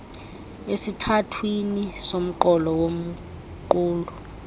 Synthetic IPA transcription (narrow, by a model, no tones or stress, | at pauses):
esitʰatʰwinisom̩ǃɔlɔwom̩ | ǃuːlu